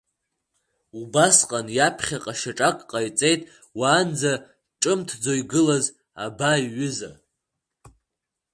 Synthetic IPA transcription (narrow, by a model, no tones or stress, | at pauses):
ubasqʼanjapʰχʲaqʼaʃaʈ͡ʂʼakʼqʼajt͡sʼe̞jtʼ | waːnd͡za | ʈ͡ʂʼɨmtʰd͡zojɡɨlaz | a̰baiɥʏza̰